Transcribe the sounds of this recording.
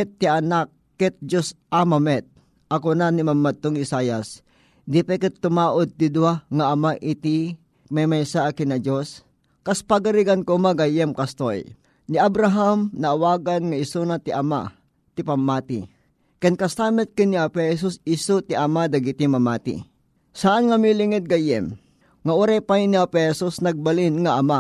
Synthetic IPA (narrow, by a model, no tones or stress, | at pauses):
kɛt̪ːianakːɛt̪̚d͡ʒosʔamamɛt̪̚ | ʔɐkonanimamːat̪ːoŋɪsaːjas | d̪ipɛkɪt̪ːʊmaːʔod̪̚t̪ɪd̪uwaŋaʔːmaʔɪt̪i | mamajsaʔkɪnɐd͡ʒos | kaspaɡaɾiɡankomaɡajɛmkast̪oj | niabɾaɦamnɐʔːwaːɡanŋɐɪsunat̪iʔama̰ | t̪ɪpɐmːaːt̪ɪ̰ | kɛnkɐst̪amɛt̪̚kɪniapɛhɛs̬usɪsut̪iʔamad̪ɐɡɪt̪imɐmaːt̪ɪ̰ | saʔanŋɐmilɪŋɛt̪̚ɡajɛ̰m | ŋaʔuɾajpajniapɛhɛsusnɐɡ̚balɪnŋaʔɐma